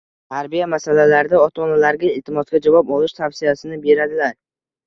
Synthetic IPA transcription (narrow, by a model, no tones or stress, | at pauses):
t̪ʰaɾbijamasalalaɾɪd̪aɒt̪ʰɒnalaɾɡʲaɪlt̪ʰɪmɒt̪ɡʲad͡ʒavɒpɒlɪʃt̪ʰafsɪjasɪnɪbe̞ɾad̪ɪlaɾ